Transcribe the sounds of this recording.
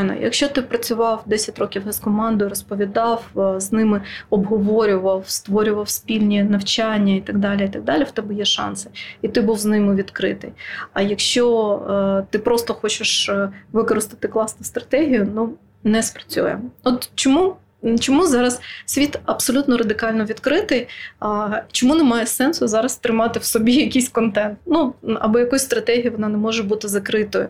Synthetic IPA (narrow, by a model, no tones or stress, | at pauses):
nɐ̰jɐ̰kʃt͡ʃɔt̪ɪpɾɐt͡sʲʊʋɑwd̪ɛsʲɐtʲɾɔkʲiwɦɛskɔmɑnd̪ɔjʊɾɔspɔʋʲid̪ɑwznɪmɪɔbɦɔʋɔɾʲʊʋɐwst̪ʋɔɾʲʊʋɐwsʲpʲilʲnʲinɐwt͡ʃɑnʲːɐit̪ɐɡd̪ɑlʲiit̪ɐɡ̚d̪ɑlʲɪft̪ɛbɪjɛʃɑ̰nsɨ̥it̪ɪbuwznɪmɪʋʲid̪kɾɪ̰t̪ɪ̰jɐjɐkʃt͡ʃɔ | t̪ɪpɾɔst̪ɔxɔt͡ʃɪʃʋɪkɔɾɪst̪ɪ̥t̪ɪklˠɑsnʊst̪ɾɐ̥t̪ɛɦʲijʊnu | nɛspɾɐ̥t͡sʲṵjɛ̰ɔt̪t͡ʃɔmu | t͡ʃɔmuzɑɾɐssʲʋʲit̪ɐbsɔlʲut̪nɔɾɐd̪ɪkɑlʲnɔʋʲid̪kɾɪt̪ɪj | t͡ʃɔmunɛmɑjɛsɛnsʊzɑɾɐst̪ɾɪmɑt̪ɪwsɔbʲijɐkʲijsʲkɔnt̪ɛnt̪̚nuɐ̰bɔjɐkɔsʲst̪ɾɐt̪ɛɦʲijiʋɔnɑnɛmɔʒɛbut̪ɪzɐkɾɪt̪ɔjʊ